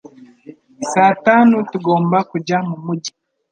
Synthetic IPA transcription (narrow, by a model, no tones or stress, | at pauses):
saːtaːnutuɡo̞ːmbakuɟamumuɟi